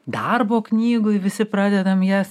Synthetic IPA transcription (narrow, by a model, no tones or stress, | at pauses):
d̪ɐrboːknʲiːɡʊɪʋʲɪsʲɪpɾɑːd̪ʲɛd̪ɐmjæs